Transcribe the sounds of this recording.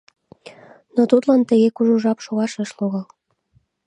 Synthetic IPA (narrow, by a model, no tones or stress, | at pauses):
not̪ut̪lɑnt̪ə̆ɣekuʒuʒɑpʃoɣɑʃeʃloɣɑl